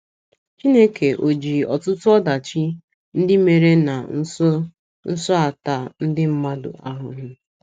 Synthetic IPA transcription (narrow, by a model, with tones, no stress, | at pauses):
t͡ʃi˦ne˦ke˨ʔo˨d͡ʒi˨ɔ̰˨tʊ˦tʊ˦ɔ˦da˨t͡ʃi˦ | n̩˦dɪ˦me˨ɾe˦na˨n̩˦sɔ˦ | n̩˦sɔ˦a˨ta˨n̩˦dɪ˦m̩˦ma˦dʊ̰˨a˦ɦʊ̰˨ɦʊ˦